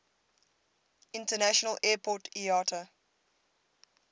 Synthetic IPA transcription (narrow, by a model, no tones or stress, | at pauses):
ɪ̃ntənæʃənəlɛːpʰɔtiɑːtʰə